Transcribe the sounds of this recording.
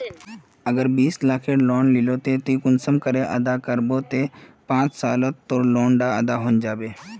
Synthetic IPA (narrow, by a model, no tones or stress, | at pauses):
əɡəɾbiːslaːkʰeloːnlɪloːt̪et̪ikʊnsəmkəɾeʔə̰d̪akəɾboːt̪epãːt͡ʃsaːlət̪ːoːloːɳɖaəd̪aɦõːnd͡ʒaːbeː